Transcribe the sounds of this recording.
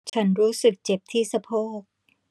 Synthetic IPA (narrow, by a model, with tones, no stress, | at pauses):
t͡ɕʰa˦˥nɾuː˦˥sɯ˨˩k̚t͡ɕe˨˩p̚t̪ʰiː˥˩sa˧pʰoː˥˩k̚